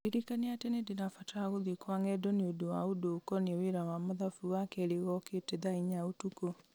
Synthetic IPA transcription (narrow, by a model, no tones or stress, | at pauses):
eɾikaneatenedenafataaɣoðikwaŋɛdɔneodowaodokɔneweɾawamoðafuwakɛɾeɣɔketɛðaiɲaotuko